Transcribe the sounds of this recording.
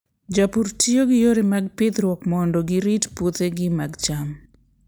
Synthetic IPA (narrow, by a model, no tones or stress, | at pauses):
d͡ʒapuɾtioɡɪjoɾemaɡ̚pɪt̪ɾwɔkmɔndɔɡɪɾitput̪eɡɪmaɡt͡ʃam